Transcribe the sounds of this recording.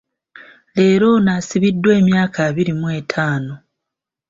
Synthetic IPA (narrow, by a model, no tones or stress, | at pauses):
le̞ːɾo̞naːsiβidːwe̞ːmjaːkʰaːβiɾimwe̞ːtʰaːno